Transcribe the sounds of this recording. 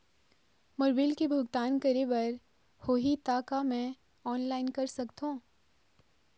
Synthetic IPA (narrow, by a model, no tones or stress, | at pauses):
mʊɾbɪlkebʱʊɡt̪aːnkɐɾebɐɾ | hoːɦit̪aːkamɛ̃ | ɔːnlaːɪnkɐɾsɐkt̪ɦõː